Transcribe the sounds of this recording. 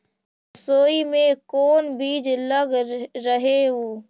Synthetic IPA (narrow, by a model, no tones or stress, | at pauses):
soːimẽkoːnbiːd͡ʒləɡɾəɦeoː